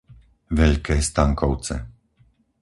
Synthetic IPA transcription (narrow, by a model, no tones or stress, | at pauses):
ʋɛʎkɛːst̪aŋkɔʊt͡sɛ̰